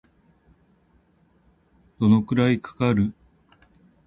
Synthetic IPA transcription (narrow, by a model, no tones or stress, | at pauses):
d̪̥o̞no̞kɯ̟ɾaikḁkaɾɯ̟